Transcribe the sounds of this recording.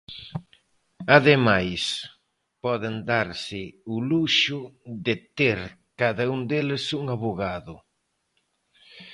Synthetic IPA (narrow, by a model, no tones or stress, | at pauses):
aðemajs | pɔðɪnd̪aɾsɪʊluʃʊðɪt̪eɾ | kaðauŋd̪elɪsuŋaβoɣaðʊ